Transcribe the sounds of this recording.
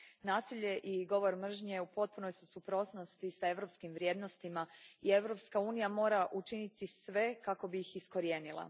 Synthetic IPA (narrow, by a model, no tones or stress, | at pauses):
naːsiʎe̞ʔiɡo̞ʋo̞ɾmr̩ʒɲeupo̞t̪̚punojsusupɾo̞t̪no̞st̪isae̞ʋɾo̞pskimʋɾje̞ːd̪no̞st̪imaie̞ʋɾo̞pskauːnijamo̞ːɾaʔut͡ʃinit̪isʋe̞kako̞bijixisko̞ɾje̞ːnilˠa̰